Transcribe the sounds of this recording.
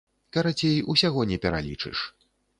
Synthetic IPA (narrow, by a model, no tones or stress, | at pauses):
kɐɾat͡sʲejusʲaɣɔnʲɛpʲɛɾa̰lʲit͡ʂɨ̰ʂ